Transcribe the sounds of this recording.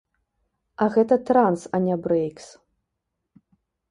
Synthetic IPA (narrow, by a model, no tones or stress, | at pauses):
ɐɣɛt̪ɐt̪ɾansɐnʲabɾɛjks